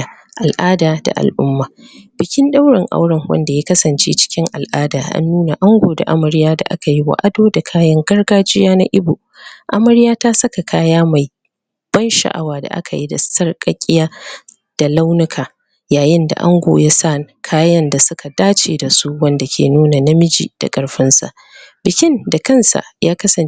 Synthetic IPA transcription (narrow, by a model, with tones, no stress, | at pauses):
ʔa˨lʔaː˦daː˨da̰˨ʔa̰˨lʔʊ˦mːaː˨b̥ɪ˨kʲɪ˦nɗa˦wɽɪ˨ŋʔa̰˦wɽɐ˨ŋwɐ̰˦nda˨ja˦kɐ˦sɐ˨nt͡ʃeː˦t͡ʃɪ̥˦kʲɪ˦ŋʔa̰˨lʔaː˦daː˨ʔa̰˦nːuː˦na˨ʔa˦ŋɡʷoː˨da̰˨ʔa˦mɐ˨ɾɪ˦jaː˦da̰˨ʔa̰˦ka˨ji˦wa̰˨ʔa˦doː˦da˨kʰaː˦jɐ˦ŋɡɐ˦rɡaː˦d͡ʒɪ˦jaː˦na̰˦ʔɪ˦bo˨ | ʔa˦mɐ˦ɾɪ˦jaː˦taː˦sɐ˦ka˨kʰaː˦jaː˦ma˨j | b̥ɐ˦nʃa̰˨ʔa̰˨waː˨da̰˨ʔa̰˦kʰa˨ji˦da̰˨sɐ˦rkʼɐ˦kʲʼːɪ˦jaː˦ | d̥a˨la˦wnʊ˦kʰaː˨ | jaː˨jɪ˦nda̰˨ʔa˦ŋɡʷo̰ː˨jaː˦sa˦˨kʰaː˦jɐ˦nda˨sʊ˦ka˨daː˦t͡ʃeː˨da˨su˦wɐ˦nda˨kʲḛː˨nuː˦na˨na˦mɪ˦d͡ʒḭ˨d̥a̰˨kʼɐ˨ɽɸɪ˦nsa̰˨ʔ | bɪ˨kʲɪ˦nda˨kɐ˦nsa̰˨jaː˦kɐ˦sɐ˨n